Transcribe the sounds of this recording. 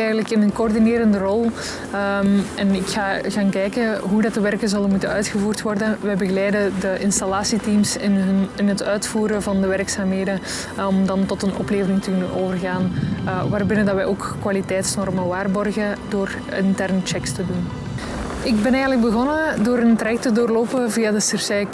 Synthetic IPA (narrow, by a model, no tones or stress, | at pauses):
ɛːɣələkɪnənkoːrdineːɾəndərɔlˠ | mɛnɪkxaːɣaːnkɛːjkəɦudɑtəʋɛrkəzɵlənmutənœɥtxəvuːrtʋɔrdənʋɛjbəɣəlɛjdədəʔɪnstalaːsitiːmsɪnnɪnɦətœɥtfuːɾəvɑndəʋɛɾksaːmɦeːdə | ɔmdɑntɔtənɔ̰pleːvəɾɪŋtəkɵnənoːvərɣaːnʋaːrbɪnədɑtʋɛjoːkkːʋalitɛːtsnɔrməʋaːrbɔrɣədoːr | ɪntɛrnət͡ʃɛkstədun | ɪɡ̚bɛnɛːɣənləɡ̚bəɣɔnədoːɾəntrajɛk̚tədoːrloːpəviːadəsərsɛk